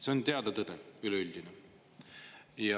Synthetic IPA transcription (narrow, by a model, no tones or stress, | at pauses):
seont̪e̞ɑd̪ɑt̪ɤd̪̥ɛylɛylʲd̪ine | jɑ